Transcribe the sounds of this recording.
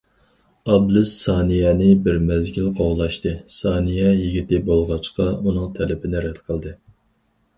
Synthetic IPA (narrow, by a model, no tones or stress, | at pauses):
ɑblˠɨsːɑnijɛnɪbɪɾmɛzɡʲilqʰowlˠɑʃt̪ɨsɑːnijɛjiɡʲit̪ɪbolˠʁɑt͡ʃqɑunɨŋt̪ʰɛlɪpʰɪnɪɾɛd̪qʰəlˠd̪ɨ